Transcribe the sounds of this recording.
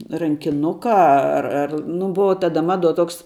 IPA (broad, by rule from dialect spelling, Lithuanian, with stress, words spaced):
rɐŋʲkʲɪˈnʊkɐ ˈɐ ɐr ɐr ˈnʊ ˈbʊʋɐ ˈtɑːdɐ ˈmɑːˌduɔ ˈtoːks